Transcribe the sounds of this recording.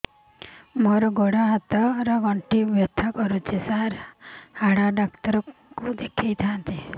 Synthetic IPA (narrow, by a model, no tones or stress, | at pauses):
moɾɔɡɔɽɔɦat̪ɔɾɔɡɔɳʈibɔt̪ʰakɔɾut͡ʃʰesaɾhaɽaɖakt̪ɔɾɔkud̪ekʰejt̪ʰant̪i